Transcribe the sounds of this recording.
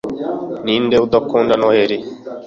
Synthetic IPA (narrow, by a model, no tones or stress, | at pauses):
niːndeud̪ɔkːoːndanɔheɾi